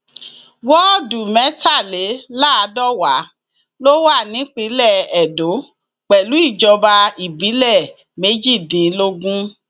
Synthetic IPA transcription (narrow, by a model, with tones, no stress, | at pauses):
wɔ˦˨du˨mɛ˨˦ta˦˨le˨˦la˦a˧dɔ˦˨wa˨˦ | lo˦wa˦˨nĩ˨˦k͡pi˨˦lɛ˦˨ɛ˨do˨˦ | k͡pɛ˨lu˨˦i˦˨d͡ʒɔ˧ba˧i˨bi˨˦lɛ˦˨ | me˨˦d͡ʒi˦˨dĩ˨˦lo˧ɡũ˦